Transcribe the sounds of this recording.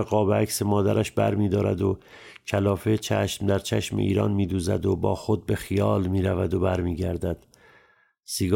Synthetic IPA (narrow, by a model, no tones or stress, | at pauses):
eɣɒːbeæcsemɒːd̪æɾæʃbæ̰ɾmiːd̪ɒːɾæ̰d̪o̞ | cʰælɒːfet͡ʃʰæʃmd̪æɾt͡ʃʰæʃmḛʔḭːɾɒːnmiːd̪uːzæ̰d̪obɒːxo̞d̪̚be̞xijɒːlmiːɾævæd̪o̞bæɾmiːɟæɾd̪æd̪̥ | siɡ